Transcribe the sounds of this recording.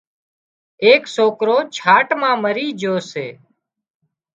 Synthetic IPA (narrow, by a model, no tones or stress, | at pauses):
eːksoːkɾoːt͡ʃʰaːʈmãːməɾiːd͡ʒoːsḛː